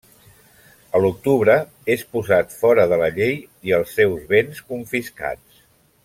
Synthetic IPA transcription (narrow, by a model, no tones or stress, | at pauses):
əluk̚t̪uβɾə | espuzat̪fɔɾəðələʎej | iəlˠsːɛwzβenskuɱfiska̰t͡s